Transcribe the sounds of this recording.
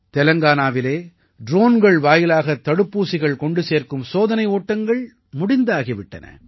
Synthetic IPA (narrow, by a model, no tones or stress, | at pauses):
t̪ɛlɐŋɡaːnaːʋɪleː | ɖɾoːnɡɐɭʋaːjɪlaːɣɐt̪ːɐɽɯpːuːsɪɣɐɭkɔɳɖɯseːɾkɯmsoːðɐnɐɪoːʈːɐŋɡɐɭ | mʊɽɪnd̪aːɣɪʋɪʈːɐnɐ̰